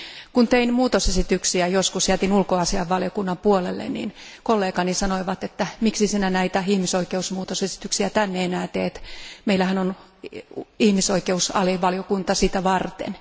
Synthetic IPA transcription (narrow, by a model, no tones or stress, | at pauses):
kunt̪einmuːt̪osesit̪yksiæjoskusjæt̪inulkoɑsiɑʋːɑljokunːɑmpuolḛlːḛnnḭːnkolːeːkɑnisɑnoiʋɑt̪et̪ːæmiksisinænæit̪æihmisoikeusmuːt̪osesi̥t̪yksiæt̪ænːeenæːt̪eːt̪meilːæhænon | ihmisoikeusɑ̰liʋɑljokunt̪ɑsit̪æʋɑrt̪ḛn